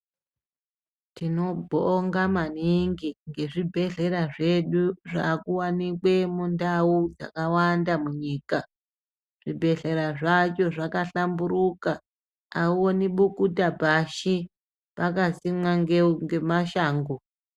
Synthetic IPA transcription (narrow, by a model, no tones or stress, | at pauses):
tino̞bʱoŋɡamaniŋɡiŋɡe̞ʐibʱe̞ɮe̞ɾaʐe̞ɗuʐa̰kuwanikwe̞mundaud͡za̰kawandamuɲiːka | ʐ̥ibʱe̞ɮe̞ɾaʐat͡ʃo̞ʐakaɬamburukaː | uwoniɓukutabʱaʃi | pakasimwaŋɡeŋɡe̞maʃaːŋɡo